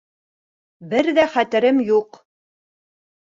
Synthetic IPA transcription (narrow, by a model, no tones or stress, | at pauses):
bɘɾðæχæt̪ɘ̆ɾɘmjuq